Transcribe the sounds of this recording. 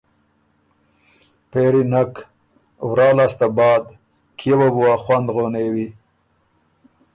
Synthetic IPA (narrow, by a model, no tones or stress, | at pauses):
peɾinak | wɾɑːlast̪abɑːd̪ | kʰebabuaxwand̪ɣonewi